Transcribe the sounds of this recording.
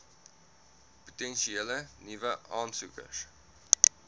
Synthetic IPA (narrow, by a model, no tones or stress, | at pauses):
pu̥tɛnʃielənivəʔɑːmsukə̰s